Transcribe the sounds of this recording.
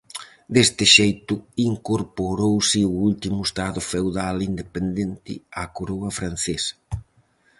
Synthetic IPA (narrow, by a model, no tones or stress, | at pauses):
d̪est̪ɪʃejt̪ʊiŋkoɾpoɾowsɪuult̪imʊest̪aðʊfewðalind̪epend̪ent̪ɪ̰akoɾoɐfɾan̟θesɐ̥